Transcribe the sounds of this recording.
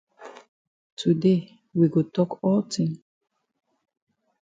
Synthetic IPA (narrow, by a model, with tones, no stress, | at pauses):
tʰu˨de | wi˨ɡo˨tɔ˦kɔltʰĩŋ